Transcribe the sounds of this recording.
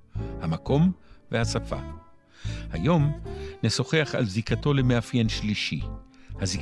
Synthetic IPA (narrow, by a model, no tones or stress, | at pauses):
hamako̞mvehasafa̰ | ha̰jo̞mneso̞χeaχa̰lzikato̞lemeafjenʃliʃihazik